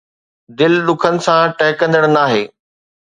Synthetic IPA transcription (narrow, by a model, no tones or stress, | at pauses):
d̪ɪlɗʊkʰənɪ̆sãʈɛɦɪkə̃nd̪əɽ̃naːɦeː